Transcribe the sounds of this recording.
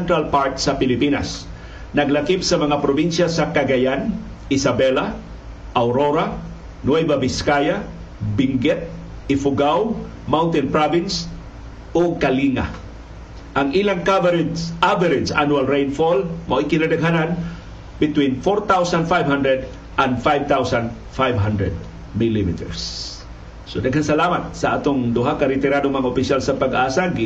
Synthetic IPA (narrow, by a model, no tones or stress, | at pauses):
nt̪ɾalpaɹt̪sɐpɪlɪpina̰s | nɐɡlakip̚sɐmɐŋapɾobinʃasakaɡajan | ʔɪsabɛla | ʔawɾoɾa | nwɛbabiskaja | bɪŋɡɛt̪̚ | ɪfʊɡaw | mawnt̪ɛnpɾavɪns | oɡ̚kaliŋa̰ | ʔaŋilaŋkavɛɾʔavɛɾɛdsʔa̰nualɾejnfolmoʔikɪnadaɡɦanan | bɪt̪winfoɾt̪awsand̪fajvɦandɾɛd̪ | ʔand̪fajvt̪awsand̪ | fajvɦandɾɛd̪̚ | milimḭt̪ɛ̰ɹsː | odaɡɦansalamat̪̚saʔat̪oŋd̪ʊɦakaɾɪt̪ɛɾanoŋmɐŋaʊpɪʃjalsɐpaɡʔaːsaɡ